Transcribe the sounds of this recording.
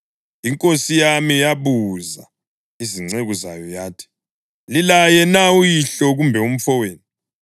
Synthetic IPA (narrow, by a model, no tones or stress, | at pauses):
iŋkʼosijamijaβuza̰ | iziŋ͡ǀeɣuza̰jɔjaːtʰi̥ | lilajɛnaujiɬɔɣumbʱɛum̩fɔweːni